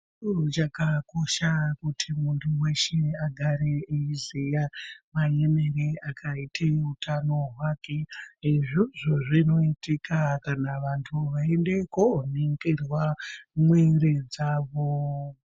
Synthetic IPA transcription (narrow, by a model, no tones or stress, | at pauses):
t͡ʃurut͡ʃakako̞ʃakutʰimuntʰuwe̞ʃeaɡʱaɾeeizijamajene̞ɾeakʰaitʰeutʰano̞ɦwake̞iʐiʐoʐino̞itikʰakanaʋantʰuʋae̞nde̞koneŋɡerwamweɾed͡zaːʋo